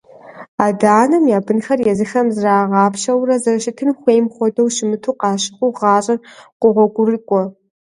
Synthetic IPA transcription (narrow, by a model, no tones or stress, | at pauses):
aːdaːnɐmjaːbɨnxɐrjɛzɨxɐmzraːʁɑːpʃɐwrɐzɐrʃɪtʰɨnxʷeːjmχʷɔdɐwʃɪmɨtʰuːqɑːɕɪχʷʊʁɑːɕʼɐrqʷʊʁʷɔɡʷʊrɨkʷʼɔ